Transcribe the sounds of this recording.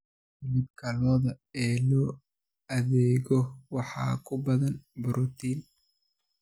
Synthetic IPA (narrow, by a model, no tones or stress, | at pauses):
mɪb̚kʰɐlɔːðɐɛːlɔː | ɐðɛːɣɔwɑħɑ̰ːkʰʊbɐðɐnbʊɾʔɔt̪ʰiːn